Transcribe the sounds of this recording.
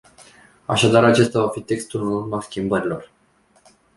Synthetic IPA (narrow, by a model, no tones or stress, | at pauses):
a̰ʃad̪aɾat͡ʃe̞st̪avafit̪e̞kst̪ulunmaskʲimbəɾilo̞r